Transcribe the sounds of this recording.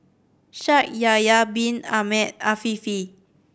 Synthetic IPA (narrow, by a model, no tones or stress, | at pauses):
ʃak̚jajabĩna̰mɛt̚afifi